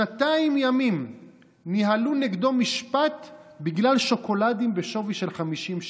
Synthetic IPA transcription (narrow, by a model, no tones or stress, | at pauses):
ataimjamim | niɦaluneɡd̪o̞miʃpat̪biɡlalʃo̞ko̞ladimbeʃo̞viʃe̞lχamiʃimʃ